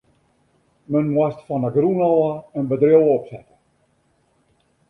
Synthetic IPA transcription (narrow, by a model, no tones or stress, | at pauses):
mənmwɔstfɔnəɡrunɔlˠəənbədrjowˠɔpsɛtə